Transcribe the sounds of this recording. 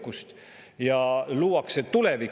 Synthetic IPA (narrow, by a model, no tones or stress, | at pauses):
kːust̪ | jɑluːɑkset̪ulevik